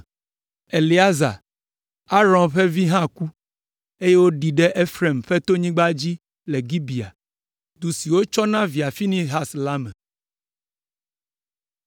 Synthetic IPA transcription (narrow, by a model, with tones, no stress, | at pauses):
e˨li˨a˦za̰˨ | a˦ɾɔ̃˨nɸɛ˦vi˦ɦã˦ku˦ | e˦je˦wo˦ɖi˨ɖɛ˦ʔe˦fɾe˨mɸɛ˦t̪o˦ɲĩ˦ɡ͡ba˦d͡ʑi˦ | le˨ɡi˦bi˨a̰˨ | d̪u˨si˨wo˦t͡ʃɔ˦nã˦vi˨a˨fi˦nĩ˦ɦa˦sla˦mɛ̃˨